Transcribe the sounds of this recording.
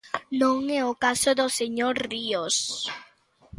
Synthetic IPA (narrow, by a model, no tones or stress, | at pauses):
nõŋɛokasoðoseɲoɾrios